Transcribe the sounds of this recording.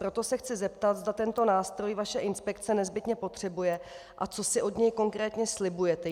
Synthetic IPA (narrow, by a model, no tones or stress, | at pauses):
pɾo̞t̪o̞sɛxt͡sɪzɛpt̪at̪zd̪at̪ɛnt̪o̞naːst̪ɾo̞jvaʃɛʔɪnspɛkt͡sɛnɛzbɪt̪ɲɛpo̞t̪r̥ɛbujɛ | ʔat͡so̞sɪʔo̞d̪ɲɛjko̞ŋkɾɛːt̪ɲɛslɪbujɛt̪ɛ